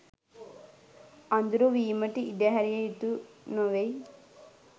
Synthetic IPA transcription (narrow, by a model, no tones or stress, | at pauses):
ɐnd̪uɾuʋiːməʈiiɖɐɦɐɾijɐit̪unoʋej